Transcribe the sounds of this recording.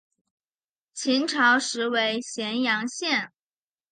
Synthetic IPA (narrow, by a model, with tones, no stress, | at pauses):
t͡ɕʰi˧˥nʈ͡ʂʰɑ˧˥ʊʂɻ̩˧˥we˧˥ɪɕjɛ˧˥njɑ˧˥ŋɕjɛ˥˩n